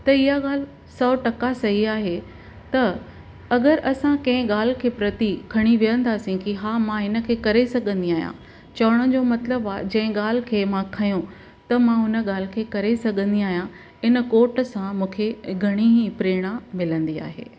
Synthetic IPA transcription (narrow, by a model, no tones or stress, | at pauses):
t̪ɐɪɦaɠaːl̤ | sɔːʈɐkasɐɦiaːɦe | t̪ɐ | ɐɡəɾʔɐsãkɐ̃ɦɪ̃ɠaːl̤ɪkʰeːpɾɐt̪ikʰɐɽ̃iʋijə̃nd̪aːsĩkiɦaːmãɪnə̆kʰeːkɐɾesɐɠʱə̃nd̪iaːɦjã̰ | t͡ɕɐʋəɽ̃ə̃d͡ʑomɐt̪ləbaːd͡ʑɐ̃ɦɪ̃ɠaːl̤ɪ̆kʰeːmãkʰɐjũ | t̪ɐmãʊnə̆ɠaːl̤ɪ̆kʰeːkɐɾesɐɠə̃nd̪iaːɦijã | ɪnə̆koːɾʈsãmũːkʰeɡʱɐɽ̃iɦipɾeːɽ̃amɪlə̃nd̪ia̰ːɦḛː